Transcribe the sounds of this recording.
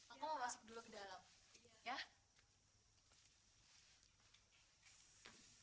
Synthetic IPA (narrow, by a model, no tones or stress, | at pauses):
akuməmasʊ̥k̚dulukədalamja